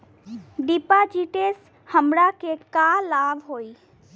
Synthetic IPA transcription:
ɖipad͡ʒiːʈeːs | həmɾakekalaːʋɦoːiː

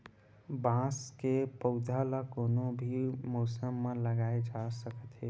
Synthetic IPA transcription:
bãskepəʊd̪ʱalakoːnobʱimoːsəmːələɡaːed͡ʒasəkət̪ɦe

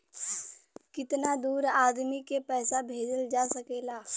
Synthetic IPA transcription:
kɪt̪nad̪uːɾaːd̪mikepɛːsabʱeːd͡ʒəld͡ʒaːsɐkeːlaː

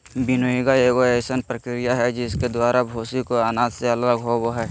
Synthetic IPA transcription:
bɪnoːiɡaeːɡoeːsənpɾəkɾijaɦɛd͡ʒɪsked̪waːɾabʱoːsikoanaːd̪seɐləɡɦoboɦɛː

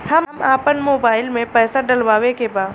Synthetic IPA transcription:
hɐmmaːpənmoːbaːɪlmẽpɛːsaɖɐlʋaːʋekebaːd̪

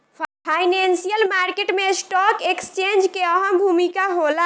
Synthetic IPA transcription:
pʰajnensijəlmaɾkeʈmesʈɔkekst͡ʃend͡ʒkeəɦəmbʱumikaɦola

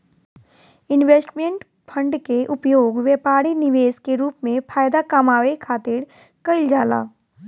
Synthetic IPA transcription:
ɪnʋeːsʈmẽɳʈ | pʰə̃ɳɖkeʔʊpjoːɡʋeːpaːɾinɪʋeːskeɾuːpmẽpʰaːjd̪akamaːʋekʰaːt̪ɪɾ | kəɪld͡ʒaːla̰ː

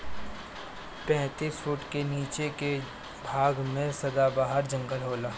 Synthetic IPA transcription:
pɛ̃ːt̪iːsfʊʈkeniːt͡ʃeke | bʱaːɡmẽsɐd̪abaːɦəɾd͡ʒə̃ŋɡəlɦoːlaː

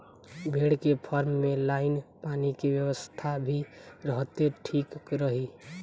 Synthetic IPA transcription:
bʱeɽkepʰɔɾmːelaɪnpanikebjəʋəst̪ʰabʱiɾəɦt̪eʈʰikɾəɦi

